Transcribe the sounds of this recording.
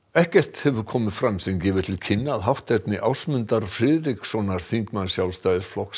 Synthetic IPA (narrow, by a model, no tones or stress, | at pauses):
ɛhcɛr̥t̪hɛvʏɾ̥kʰɔːmɪðfɾamsɛŋcɛːvɪð̥t̪ʰɪlcʰɪnːaðɦawht̪ɛt̪nɪʔawsmʏnt̪aɾfɾɪðɾiksɔnaɾ̥θiŋkmansjawlst̪ajðɪsflɔks